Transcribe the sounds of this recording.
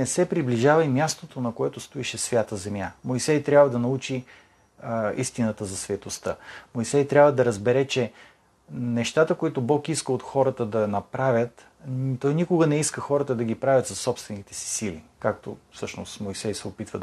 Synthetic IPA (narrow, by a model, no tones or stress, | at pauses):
nɛsɛpɾibliʒavɐimjast̪ot̪onɐkoɛt̪ʊst̪ʊiʃɛsvʲjat̪əzɛmjamoisɛjt̪ɾʲjabvəd̪ɐnɐut͡ʃi | ist̪inət̪əzɐsvʲət̪ost̪ə̰moisɛjt̪ɾʲjabvəd̪ɐɾəzbɛɾɛt͡ʃɛ | nɛʃt̪at̪əkoit̪ʊbɔkiskəot̪xɔɾət̪əd̪ɐnɐpɾavʲjət̪ | t̪ɔjnikʊɡənɛiskəxɔɾət̪əd̪ɐɡipɾavʲət̪sɐsɔpst̪vɛnit̪ɛ̥si̥silḭkak̚t̪o̰fsɤʃno̰smojsɛjsɛopit̪və